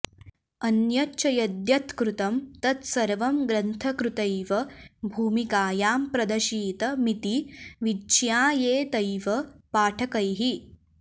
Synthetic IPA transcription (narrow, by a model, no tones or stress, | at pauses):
ɐnjɐt͡ʃɐjɐd̪jɐt̪kɾut̪ɐmt̪ɐt̪sɐɾʋɐmɡɾɐnt̪ʰɐkɾut̪ɐjʋɐbʱuːmikaːjaːmpɾɐd̪ɐʃiːt̪ɐmit̪iʋid͡ʒjaːjeːt̪ɐjʋɐpaːʈʰɐkɐjɦi